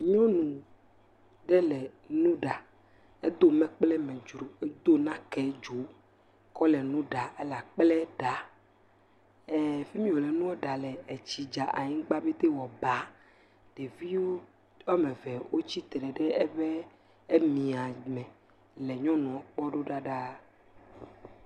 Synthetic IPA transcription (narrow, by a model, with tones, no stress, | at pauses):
ɲɔ̃˦nũ˨ | ɖɛ˦lɛ˨ | nũ˦ɖa˨ | e˦d̪o˦mɛ̃˨k͡plɛ˦mɛ̃˨d͡ʒɾu˨˦d̪o˦nã˦kɛ˦d͡ʒu˨˦ | kɔ˦lɛ˨nũ˦ɖa˨e˦la˨k͡plɛ˦ɖa˨ | ɛ˨fe˦mĩ˦wo˨lɛ˨nũ˦wɔ˦ɖa˨lɛ˨e˨t͡ɕi˨d͡ʒa˨ʔa̰˨ɲĩ˦ɡ͡ba˦be˦t̪e˦wɔ˨ba˨˦ | ɖ̥e˨vi˦wo˦ | a˦mɛ̃˨vɛ˨wo˦t͡ɕi˦t̪ɖɛ˨ɖɛ˦ɛ˦βɛ˦ | e˦mĩ˨a˨mɛ̃˨ | lɛ˨ɲɔ̃˦nɔ̃˨ɔ˦k͡pɔ˦ɖo˦ɖa˦ɖa˦